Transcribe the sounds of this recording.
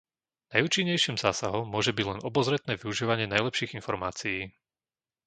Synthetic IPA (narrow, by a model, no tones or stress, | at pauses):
najuːt͡ʃiɲːɛjʃiːmzaːsaɦɔmmːʊɔʒɛbiɟlɛnɔbɔzɾɛt̪nɛːʋiuʒiːʋaɲɪɛnajlɛpʃiːɣinfɔɾmaːt͡sijiː